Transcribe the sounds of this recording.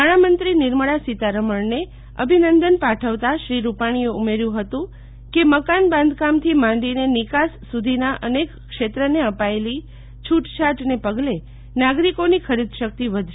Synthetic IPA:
aɽ̃amənt̪ɾinɪɾməɭasit̪aɾəməɳne | ə̰bʱinənd̪ənpaʈʰəʋt̪aʃɾiɾupaɽ̃ieumeɾjũɦət̪ũ | keməkanbãnd̪ʱkamt̪ʰimãɳɖinenikasːud̪ʱinaʔənek | kʃet̪ɾəneəpaeli | t͡ʃʰuʈt͡ʃʰaʈnepəɡle | naɡɾikonikʰəɾid̪ʱʃək̚t̪iʋəd̪ʱʃ

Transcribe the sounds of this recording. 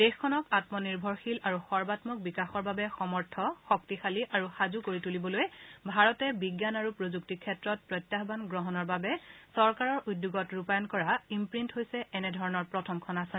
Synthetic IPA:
d̥exkʰːɔnɔkatmɔniɹbʱɔɹxilaɹuxɔɹbatmɔk̚bikaxɔɹbabɛxɔmɔɹtʰɔxɔk̚tixaliʔaɹuxazukoɹitulibɔlojbʱaɹɔtɛbiɡjanaɹupɹozuk̚tikʰːɛtɹɔt̚pɹɔjtjaxbanɡɹɔɦɔnɔɹbabɛsɔɹkaɹɔɹʔudjuɡɔtɹupajɔnkɔɹaimpɹintɦojsɛɛnɛdʱɔɹɔnɔɹpɹɔtʰɔmkʰɔnasɛn

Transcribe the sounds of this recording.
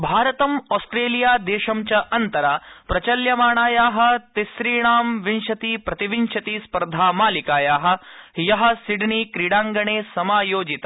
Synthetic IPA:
bʱaːɾɐt̪ɐmɔːsʈɾeːlijaːd̪eːʃɐmt͡ʃɐʔɐnt̪ɐɾapɾɐt͡ʃɐljɐmaːɳaːjaːɦɐ̆t̪isɾiːɳaːmʋinʃɐt̪iːpɾɐt̪iʋinʃɐt̪iːspɐɾd̪ʱaːmaːlikaːjaːɦɐ̆jɐɦɐ̆siɖniːkɾiɽaːŋɡɐɳeːsɐmaːjoːd͡ʒit̪

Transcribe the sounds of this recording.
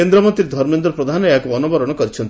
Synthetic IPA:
end̪ɾɔmɔnt̪ɾiɾd̪ʱɔɾmend̪ɾɔpɾɔd̪ʱanɔjakuɔnubɔɾɔɽ̃ɔkɔɾit͡ʃʰɔnt̪i

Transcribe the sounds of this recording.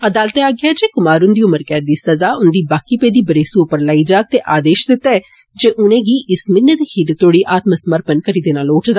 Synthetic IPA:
əd̪aːlət̪ɛaːɡad͡ʒeːkʊmaːɾʊnd̪iːʊməɾkɛːd̪iːsəzaːʊnd̪iːbaːkiːpeːd̪iːbəɾeːsuʊpəɾlaːid͡ʒaːk̚t̪eʔaːd̪eːʃd̪ɪt̪ːaɛː | d͡ʒeːʔʊnẽːɡiːʔɪsmɪnːət̪hiʈt̪oːɽiːʔaːt̪məsəməɾpənkəɾiːd̪enaːloːʈd̪aː

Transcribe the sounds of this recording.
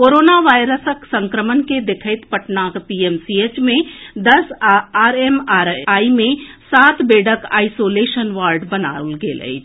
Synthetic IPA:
koːɾoːnaʋaːɪɾəsəksə̃ŋkɾəmənked̪ekʰəɪt̪pəʈnaːkpiemsiet͡ʃmẽd̪ɐsaːɾemaɾaːimẽsaːt̪ʰbeːɖʱəka̰ːɪsoːleːʃənʋaːɾɖbəna̰ːlɡḛlə̰i

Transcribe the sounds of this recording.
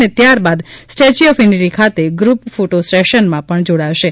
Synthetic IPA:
net̪jaɾbad̪sʈet͡ʃiɔfiniʈikʰat̪eɡɾupfoʈosʈeʃənmãpəɳd͡ʒoɽaʋʃe

